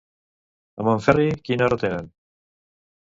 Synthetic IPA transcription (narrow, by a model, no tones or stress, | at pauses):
amoɱfɛrikinarot̪eɾan